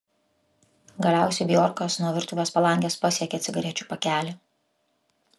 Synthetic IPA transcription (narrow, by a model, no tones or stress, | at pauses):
ɡɐlʲæˑʊsʲɛɪbʲɪjɔɾkɐsnuɔʋʲɪɾˑt̪uːʋʲeːspɐlˠɐˑŋʲɡʲeːspɐsʲiɛkʲɛːt̪sʲɪɡɐɾʲiɛt͡ʃʲuːpɐkʲæːlʲɪ